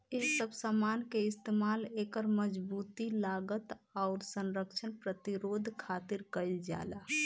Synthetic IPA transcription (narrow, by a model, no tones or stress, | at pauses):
eɦsəbsamankeɪst̪emalekəɾməd͡ʒbut̪ilaɡət̪aʊɾsənɾəkt͡ʃʰənpɾət̪iɾod̪ʱkʰat̪ɪɾkəɪld͡ʒa̰ːla